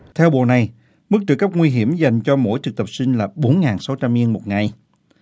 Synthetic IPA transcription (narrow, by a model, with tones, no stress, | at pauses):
t̪ʰɛ˧wɓo̰˧˨˩na˨˩j | mɨ˦˥k̚t͡ɕɨ̰˧˩kə˦˥p̚ŋwi˧ɦi˧˩əmza˨˩jŋ̟t͡ɕɔ˧mo̰˧˥jt͡ɕɨ˨˩k̚t̪ə˨˩p̚sï˧ŋ̟laː˨˩ɓo˨˦nŋaː˨˩nsa˨˦wt͡ɕa˧mi˧ənmo˨˩t̚ŋa˨˩j